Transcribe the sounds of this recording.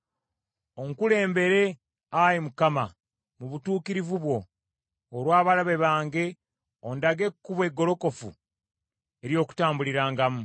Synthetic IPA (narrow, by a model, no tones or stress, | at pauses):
o̞ŋkule̞ːmbe̞ɾe̞ | ajemukama | muβutuːkiɾivuβwo̞ː | ɾwaːβalaβe̞βaːŋɡe̞ | ondaɡe̞kːuβwe̞ɡo̞lo̞ko̞fṵ | e̞ɾjo̞ːku̥taːmbuliɾaːŋɡamu